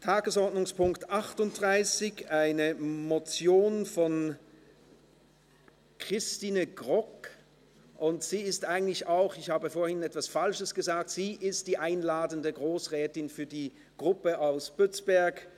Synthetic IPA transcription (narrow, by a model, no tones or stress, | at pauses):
tʰaːɡəsɔɐdnʊŋspʊŋktʔaχtʊnt̚d̥ʁaɪsɪçaɪnəmot͡sjoːnfɔn | kʁ̥ɪstiːnəɡʁɔk | ʔʊntz̥iːɪstʔaɪɡŋ̩tlɪçaʊxɪçhaːbəfoːɐhɪnɛtv̥asfalʃəsɡ̥əzaːk̚tz̥iːʔɪst̚d̥iːʔaɪnlaːdəndəɡʁoːsʁɛːtɪnfyːɐdiː | ɡ̥ʁʊpəaʊsb̥ʏt͡sb̥ɛɐk